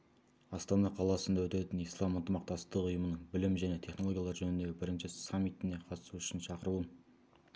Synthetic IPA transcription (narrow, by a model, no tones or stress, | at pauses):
ɑst̪ɑnɑqʰɑlˠɑsənd̪ɑwɵt̪et̪ɪnijslˠɑmənt̪əmɑq̚t̪ɑst̪əqʊjəmənəɴbɪlɪmʒæne̞t̪ʰe̞χno̞loɡʲjɑlˠɑɾʒɵnɪnd̪e̞bɪɾɪnʃɪsamːit̪ɪne̞qʰɑt̪əsuʏ̥ʃɪnʃɑqəɾuən